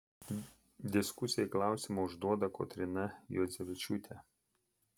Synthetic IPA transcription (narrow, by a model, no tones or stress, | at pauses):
d̪ʲɪskʊsʲɪjɛklˠɑˑʊsʲimuʊʒd̪uɔd̪ɐko̰ːt̪ʲɾʲɪnɐjɔzʲɛʋʲɪt͡ʃʲʊt̪ʲɛ